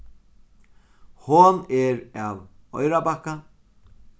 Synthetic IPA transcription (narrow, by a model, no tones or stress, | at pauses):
hɔnɛɾawɔ̰ɥɾabahka